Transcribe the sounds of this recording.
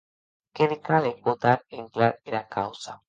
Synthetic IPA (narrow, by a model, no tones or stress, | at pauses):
keðekalepod̪aɾeŋklaɾeɾakawsa